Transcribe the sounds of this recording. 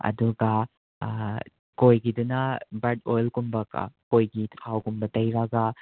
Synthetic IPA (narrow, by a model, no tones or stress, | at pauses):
ɐ̰duɡa | kojɡidunɐbɐdojlkumbɐka̰kojɡitʰawkumbɐtɐjɾaɡa